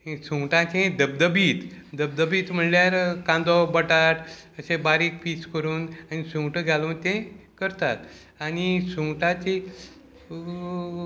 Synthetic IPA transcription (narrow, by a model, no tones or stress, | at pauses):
ẽsuŋʈãt͡ɕẽd̪əb̚d̪əbiːt̪d̪əb̚d̪əbiːt̪m̤əɳljaɾkãnd̪ɔbəʈaʈəsẽbaɾik̚piːt͡skəɾuːnanisũŋʈəɡʱjalont̪ẽkəɾt̪at̪ | anisũŋʈãt͡ɕe